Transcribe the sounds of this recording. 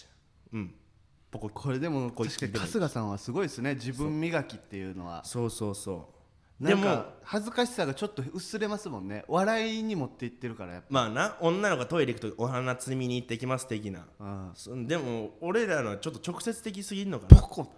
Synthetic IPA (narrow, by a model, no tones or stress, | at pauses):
ɯ̟̃ɴ | bokkʰoɾe̞d̪e̞mokoaikaeasɨɡasãɰ̃β̞asɨɡo̞isɨne̞d͡ʑibɯ̟̃mːʲiɡakʲit̪ːe̞jɯ̟no̞̰βa̰so̞ːso̞ːso̞̰ː | nd̪ae̞ŋmkoahazɨkaɕi̥saɡat͡ɕo̞t̪ːoɯ̟sɨɾe̞masɨmõ̞nːe̞̰βaɾaiɲ̟imo̞t̪ːeit̪ːe̞ɾɯ̟kaɾa̰ja̰pːmaːnaõ̞nːanokoat̪o̞iɾʲeikɯ̟̥t̪oiohanat͡sɨmʲiɲ̟iːt̪ːe̞ikʲimasɨ̥t̪e̞k̬ʲina̰ɯ̃sd̪e̞mo̞oɾe̞ɾanoβat͡ɕo̞t̪ːot͡ɕo̞kɯ̟̥se̞t͡sɨ̥t̪e̞k̬ʲisɨɡʲiɾɯno̞kaoko